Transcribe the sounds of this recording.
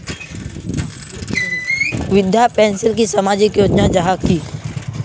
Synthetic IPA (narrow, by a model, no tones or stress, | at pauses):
ʋɪd̪japɛ̃ːnsɪlkisɐmaːd͡ʒɪkjoːd͡ʒnad͡ʒaɦakiː